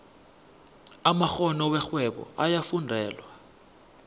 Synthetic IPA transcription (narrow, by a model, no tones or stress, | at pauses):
amaxɔnɔwɛxwɛɓɔ̰ʔajafundʱɛːlwa